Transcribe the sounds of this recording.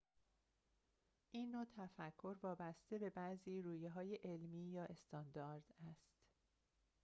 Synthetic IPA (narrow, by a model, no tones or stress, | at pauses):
ʔiːnːot̪ʰæfækʰːo̞ɾvɒːbæst̪e̞be̞bæziːɾuːjeɦɒːjeʔelmiːjɒːʔe̞st̪ɒːnd̪ɒɾd̪̥æst̪